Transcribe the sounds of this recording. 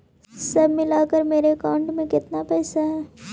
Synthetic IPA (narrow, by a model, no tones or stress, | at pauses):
sɐbʱmɪlakəɾmeːɾekaːʊ̃ɳɖmẽkɪt̪napɛːsaɦɛː